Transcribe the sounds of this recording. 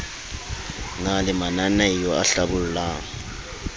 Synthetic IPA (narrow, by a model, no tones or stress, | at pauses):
ŋalimananɛijɔaɬaβululaːŋ